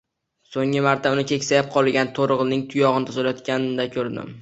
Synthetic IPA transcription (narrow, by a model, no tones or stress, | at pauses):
soŋʲɪmaɾt̪ʰaʊnɪkʲʰe̞kʲsajap̚qʰɒlˠɡʲant̪ʰoɾɨʁnɪŋt̪ʰʊjɒʁɨnɪt̪ʰɒzalajɒt̪̚kʲand̪akʲʰɵɾd̪ɪ̰m